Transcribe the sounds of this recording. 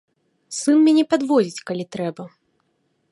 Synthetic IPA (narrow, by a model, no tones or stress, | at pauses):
sɨnmʲɛnʲɛpad̪vɔd͡zʲit͡sʲkalʲit̪ɾɛbɐ